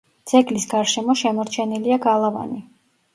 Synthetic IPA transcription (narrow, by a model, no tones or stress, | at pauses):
d̪z̥ɛɡlisɡaɾʃɛmɔʃɛmɔɾt͡ʃʰɛniliaɡalˠava̰ni